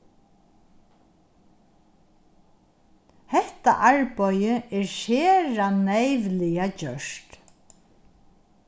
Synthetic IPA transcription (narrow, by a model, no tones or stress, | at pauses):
hɛht̪a̰ʔaɹpɔjəɛɹʃeːɾanejʋlɪjacœʂt̪